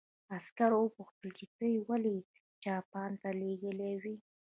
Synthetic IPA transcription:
askaɾowəpuxt̪əlkikəjwali | t͡ʃɑpɑnt̪aleɡəlewi

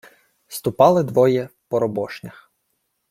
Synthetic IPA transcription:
st̪ʊpɑlˠɪd̪ʋɔjɛpɔɾɔbɔʃnʲɐx

